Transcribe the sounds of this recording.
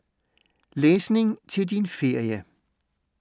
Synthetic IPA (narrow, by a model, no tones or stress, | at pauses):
leːsnɪ̝ŋt͡sʰe̝ld̥infe̝ɐ̰jə